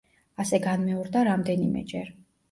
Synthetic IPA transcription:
asɛɡanmɛɔɾd̪aɾamd̪ɛnimɛ̰d͡ʒɛɾ

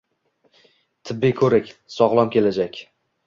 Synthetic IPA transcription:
t̪ʰɪbːijkʰɵɾɪkʲsɒʁlˠɒmkʲʰe̞lad͡ʒakʲ

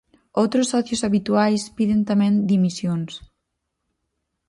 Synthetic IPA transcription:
owt̪ɾʊsːɔθjosaβit̪uajspiðent̪amẽnd̪imisjons

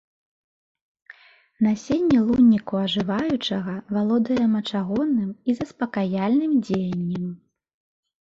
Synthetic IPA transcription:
nasʲenʲːɛlˠunʲːikuɐʐɨvajut͡ʂɐɣɐvalˠɔd̪ɐjɐmɐt͡ʂaɣɔnːɨmizɐspɐkajalʲnɨmd͡zʲejɐnʲːɛm

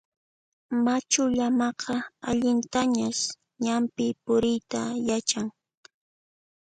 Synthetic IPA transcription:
mat͡ʃʊʎamɑqɑaʎɪnt̪aɲas | ɲampɪpʊɾɪjt̪ajat͡ʃaŋ

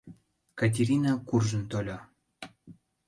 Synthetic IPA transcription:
kat̬ʲeɾʲinakurʒə̆nt̪olʲo

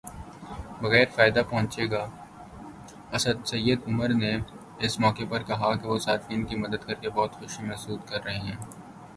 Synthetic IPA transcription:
bɐɣɛːɾfaːɪd̪apɔɦʊ̃t͡ʃeːɡaː | ɐsəd̪sɐjːəd̪ʊməɾne | ɪsmɔːkepɐɾkɐɦakeʋosaːfiːnkimɐd̪əd̪̚kɐɾkebɔːt̪xʊʃimɛɦsuːd̪kɐɾːɐɦeɦɛ̃ː

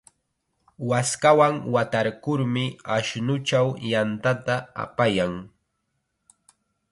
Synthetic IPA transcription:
waskawaŋwat̪aɾkʊɾmɪaʃnʊt͡ʃawjant̪at̪aa̰pajaŋ

